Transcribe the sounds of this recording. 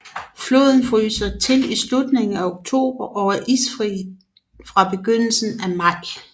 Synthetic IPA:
flo̝̰ːð̞ˠn̩fʁy̰ːsɐt͡sʰe̝lislud̥ne̝ŋn̩æoɡ̥̚t͡sʰo̝̰ːb̥ɐʔɒʊɐʔisfʁḭ | fʁɑ̈b̥e̝ɡ̥øn̰l̩sn̩æmɑ̈ɪ̰

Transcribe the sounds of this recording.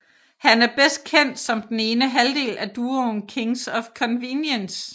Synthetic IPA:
hænæɐb̥esd̥̚kʰen̰d̥sɒ̽md̥ene̝ːnəɦæld̥e̝̰ːlʔæd̥uːonkʰe̝ŋsɒ̽fkʰɒ̽nʋinjəns

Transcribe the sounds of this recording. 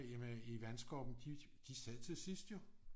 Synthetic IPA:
jæmiʋænsɡ̥ɒb̥n̩d̥i | d̥isæð̰ˠt͡sʰe̝sisd̥jo̝

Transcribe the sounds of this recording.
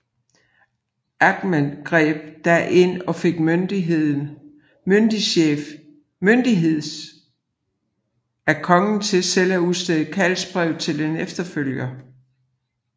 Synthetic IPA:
ʔæɡ̥menɡ̥ʁɛ̰ːb̥̚d̥æʔe̝n̰ɒ̽fe̝ɡ̥mønd̥ieð̰ˠn̩ | mønd̥iɕḛːf | mønd̥iɦe̝ð̰ˠs | ækʰɒ̽ŋn̩t͡sʰe̝sel̰æuðˠsd̥eð̩ˠkʰælsb̥ʁɛʊ̰t͡sʰe̝le̝nefd̥ɐføl̰jɐ

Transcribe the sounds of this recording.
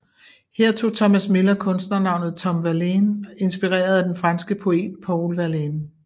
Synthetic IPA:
heɐ̰t͡sʰo̝̰ːt͡sʰɒ̽mæsme̝lɐkʰɔ̽nsd̥nɐnɑ̈ʊ̰nð̩ˠt͡sʰɒ̽mʋæɐleːne̝nsb̥iʁɛ̰ːɐð̞ˠæd̥enfʁɑ̈nsɡ̥əpʰo̝e̝̰ːd̥pʰɒʊlʋælen

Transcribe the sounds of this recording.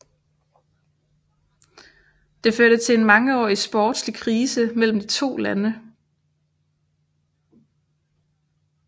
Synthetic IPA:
d̥e̝føɐɾ̥ət͡sʰe̝enmɑ̈ŋəɒ̰ːisb̥ɒːd̥slikʰʁiːsəmel̰m̩d̥it͡sʰo̝̰ːlænə

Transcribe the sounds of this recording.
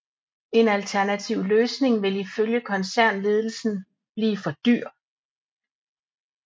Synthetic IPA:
e̝nælt͡sʰæɐnæt͡sʰiʊ̰løːsne̝ŋʋe̝liføljəkʰɒ̽nsæɐ̰nle̝ːð̞ˠl̩sn̩ | b̥liːfɒ̽d̥y̰ɐ̰

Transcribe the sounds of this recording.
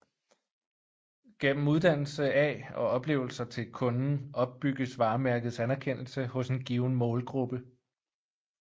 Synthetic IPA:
ɡ̥em̰m̩uð̞ˠd̥æn̰l̩səɛɒ̽ɒ̽b̥le̝̰ːʊl̩sɐt͡sʰe̝lkʰɔ̽nn̩ɒ̽b̥̚ːyɡ̥əsʋɑ̈ːmæɐɡ̥ð̩ˠsænæɐkʰen̰l̩səhɔ̽se̝nɡ̥iːʊn̩mɔ̽ːlɡ̥ʁub̥ə

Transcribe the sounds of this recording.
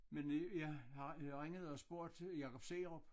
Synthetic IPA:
menjɑhɑʁeŋəð̞̩ˠɒsb̥o̝ɐ̰d̥jɑ̈kʰɒb̥seːʁɔb̥

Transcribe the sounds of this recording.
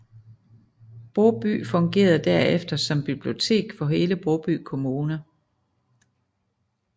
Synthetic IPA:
b̥ʁɔʊb̥y̰ːfɔ̽ŋɡ̥e̝̰ːɐð̩ˠd̥æɐefd̥ɐsɒ̽mb̥ib̥lio̝t͡sʰe̝̰ːɡ̥fɒ̽ɦe̝ːləb̥ʁoʊb̥y̰ːkʰo̝muːnɐ

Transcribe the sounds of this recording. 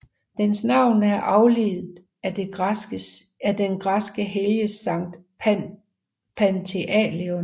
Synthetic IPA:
d̥ensnɑ̈ʊ̰nəæɐʔɑ̈ʊliːð̩ˠ | æd̥e̥ | æd̥enɡ̥ʁɑsɡ̥əɦeljəsɑ̈ŋ̰d̥ | pʰænt͡sʰe̝ʔɛleon

